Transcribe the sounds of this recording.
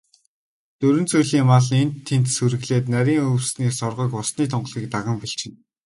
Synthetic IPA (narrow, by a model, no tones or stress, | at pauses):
t̪ɵɾɵ̆nt͡sujɮiːŋmaɮent̪ʰːent̪suɾɘ̆ɣɮeːt̪næɾʲiːŋɵwsniːsɔrʁɞ̆kʊsniːt̪ʰɔɴɢ̆ɮiːk̚t̪aʁə̆mpiɬt͡ɕɪ̆n